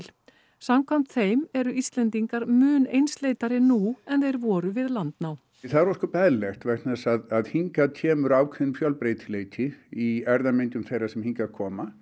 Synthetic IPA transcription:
l̥ | samkʰam̥t̪θejmɛɾʏist̪lɛnt̪iŋkaɾmʏːnejnsleːjt̪aɾɪnuɛnθejɾvɔːɾʏvɪðlant̪naw | θaðɛɾɔskɔpɛðlɛxt̪vɛk̪naɛsaðaðhiŋkat̪ʰɛːmʏɾaːwkʰvɛɪnfjœlpɾeːjt̪ʰɪleːjt̪ʰɪiɛɾðamɪnt̪ʏmθejrɾasɛmhiŋkakʰɔːma

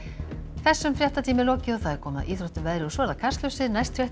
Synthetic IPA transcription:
θɛsːʏmfɾjɛht̪at̪ʰiːmɪlɔːcɪawθaðɛɾkʰɔːma̰ðʔiːθɾɔwht̪ʏvɛðɾɪɔsvɛɛɾðakʰarst̪lœwsɪðnajst̪ʰɾjɛht̪

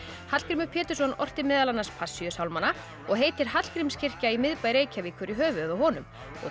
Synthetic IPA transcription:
hat̪l̥kɾɪmʏpʰɛːt̪ʏ̥sɔnɔr̥t̪ɪmɪːðalanːaspʰasːjœsawlmanːa | ɔɣɦeːjt̪ɪɾ̥ɦat̪l̥kɾɪmscʰɪr̥caimɪðpajɾeːjcʰavikʰvɛɾiɦœːvʏððawɦɔnʏm | ɔ̰

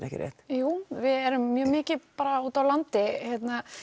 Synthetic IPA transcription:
nɛ̰hcɪ̰ɾjɛ̰ht̪juːvɪðɛɾʏmːjœːmɪːcɪpaːɾauːt̪awlant̪ɪçjɛt̪na

